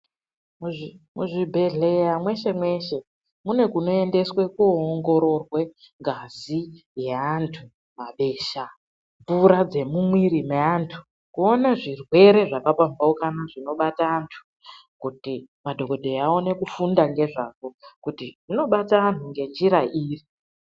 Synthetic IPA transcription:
mmuʐibʱe̞ɮe̞jamwe̞ʃe̞mwe̞ʃe̞ | mune̞kuno̞e̞nde̞swe̞kuoŋɡo̞ɾo̞rwe̞ | ŋɡazi | jeantʰu | maɓe̞ːʃa | ɱvuɾad͡ze̞mumwiɾimeantʰu̥ | kuonaʐirwe̞ɾe̞ʐakapambaukanaʐino̞ɓataːntʰu̥ | kuti | madʱo̞ko̞dʱe̞ao̞ne̞kufundaŋɡe̞ʐako̞kutiʐino̞ɓataantuŋɡe̞nd͡ʒiɾaʔiːri

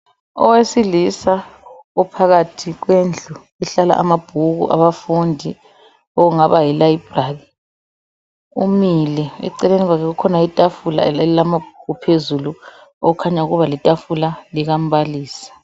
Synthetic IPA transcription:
ɔ̰wesilisa | upʰaɣatʰiɣwend͡ɮʱu | ɛɬala̰ʔamab̥ʱuɣṵʔa̰βafundʱi | ɔɣuŋaβajilajib̥ʱraɣi | umilɛɛ̰ǀɛleniɣwakɛɣukʰɔnaitʼafula̰ɛlɛlilamab̥̚ʱuɣupʰezuluo̰ɣukʰaɲauɣuβalitʼafulaliɣam̩βaliːsḁ

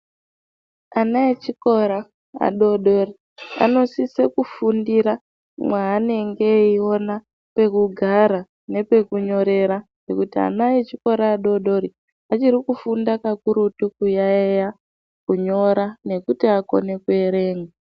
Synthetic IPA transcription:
anaet͡ʃiko̞ɾa | a̰ɗo̞ɗo̞ri | a̰no̞sisekufundiɾa | mwaːne̞ŋɡe̞io̞na | pe̞kuɡʱaɾa | ne̞pe̞kuɲo̞ɾe̞ɾaŋe̞̰kutia̰najet͡ʃiko̞ɾaːɗo̞ɗo̞ɾi | at͡ʃiɾikufundakakuɾutukujaeja | kuɲo̞ɾane̞kutiako̞̰ne̞kueɾe̞ːŋɡa

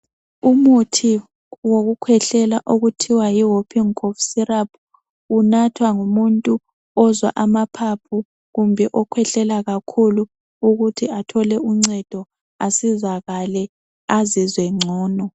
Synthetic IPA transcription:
umutʰi | woɣukʰwɛɬɛlaʔoɣutʰiwajiɦopʰiŋkʰofsirap̚ʰuː | natʰwaŋumuntʼu | ɔzwa̰ʔamapʰapʰu | ɣumbʱɛʔɔkʰwɛɬɛlaɣakʰulu | uɣutʰiatʰɔlɛʔuŋ͡ǀɛd̥ʱɔ | asizaɣalɛ | azizwɛŋ͡ǀʱɔːnɔ

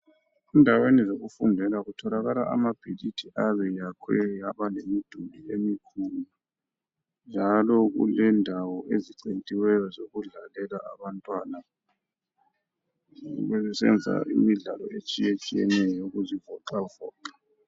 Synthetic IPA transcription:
indʱawenizoɣufundʱɛlaɣutʰɔlaɣalaʔa̰mab̥ʱilitʰiʔaβɛjakʰɛjaβalemid̥ʱuliemikʰulu | nd͡ʒʱalɔɣṵlɛndʱawɔʔeziǀentʼiwɛjɔzoɣuɮalɛlaaβantʼwana | uɣɛzɛsɛ̰nd͡zʱa̰ʔḭmiɮalɔ̰et͡ʃʼijet͡ʃʼijɛ̰nɛjɔuɣuzivɔǃavɔːǃa

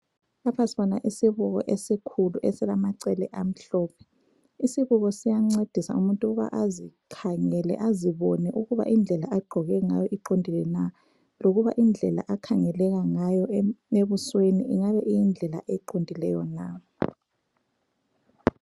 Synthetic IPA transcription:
lapʰasiβɔnaʔisiβuɣɔ̰ʔesikʰuluʔɛsɛlamaǀɛlɛʔam̩ɬɔːpʰɛ̥ | isiβuɣɔsijaŋ͡ǀed̥ʱisa̰umuntʼuɣuβa̰ʔazikʰaŋɛlɛ̰ʔaziβɔnɛʔuɣuβa̰ʔind͡ɮʱɛlaʔaɡ͡ǃ̥ʱɔɣɛŋajɔʔiǃondʱilɛna | loɣuβaʔind͡ɮʱɛla̰ʔakʰaŋɛlɛɣaŋajɔeβuswenḭʔiŋaβɛʔijind͡ɮʱɛla̰ʔeǃondʱilɛ̰jɔna

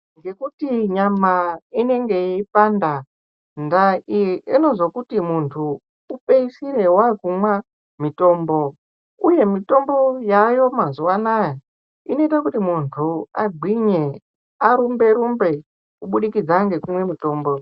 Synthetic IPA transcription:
ŋɡe̞kutiɲamaine̞ŋɡe̞ipanda | ndaieno̞zokutimuntʰuː | peisire̞wakumwa | mito̞ːmbo̞ | uje̞mito̞mbo̞jajo̞mazuwanaja | ino̞itakutimuntʰuaɡʱwiɲe | aɾumbe̞ɾumbe̞ | kuɓuɗikid͡zaŋɡe̞kumwe̞mito̞ːmbo

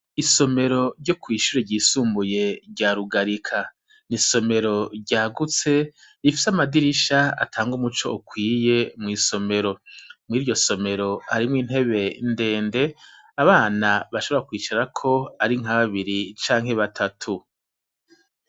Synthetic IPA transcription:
iso̞me̞ɾo̞ɾɟo̞kwiːʃuɾeɟiːsuːmbuje̞ɾɟaːɾuɡaɾikʰa | niso̞me̞ɾo̞ɾɟaːɡut͡se̞ | ifi̥samadiɾiʃaa̰tʰaːŋɡumut͡ʃo̞̰ukwiːje̞mŋiːso̞me̞ɾo̞mŋiːɾjo̞so̞me̞ɾo̞haɾimŋiːn̥ɦe̞βe̞nde̞ːnde̞ | aβaːnaβaʃoβɾakwiːt͡ʃaɾakʰo̞aɾiŋ̥ɦaβaβiɾit͡ʃaːŋhe̞βatʰatʰu

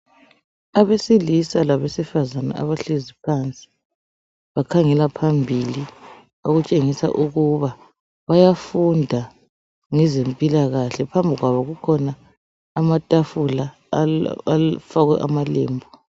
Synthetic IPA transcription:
aβesilisalaβesifazana̰ʔa̰βaɬezipʰant͡sʼi̥ | βakʰaŋɛlapʰambʱili | oɣut͡ʃʼeŋisa̰ʔuɣuβa | βajafundʱa | ŋɛzempʼilaɣaɬɛpʰambʱiɣwaβɔɣukʰɔnaː | matʼafula | faɣwɛ̰ʔamalḛːmbʱu

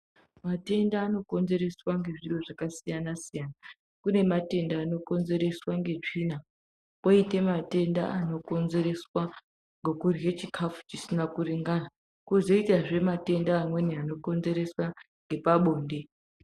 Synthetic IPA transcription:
mate̞ndaːno̞ko̞nze̞ɾe̞swaŋɡe̞ʐiroʐakasijanasijana | kune̞mate̞ndaːno̞ko̞nze̞ɾe̞swaŋɡe̞t͡ʂina | koite̞mate̞nda̰ano̞ko̞nze̞ɾe̞swa | ŋɡokurjet͡ʃikʰafu̥t͡ʃisinakuriŋɡana | kuzo̞itaʐe̞mate̞ndaːmwe̞niano̞ko̞nze̞ɾe̞swa | ŋɡe̞paɓo̞ːnde̞

